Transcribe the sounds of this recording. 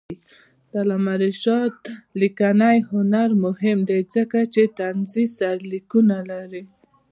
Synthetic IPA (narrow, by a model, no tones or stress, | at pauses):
t̪alamaɾɪʃɑt̪̚likanajhʊnaɾmʊhɪmd̪ezəkat͡ʃet̪anzisaɾlikunalaɾi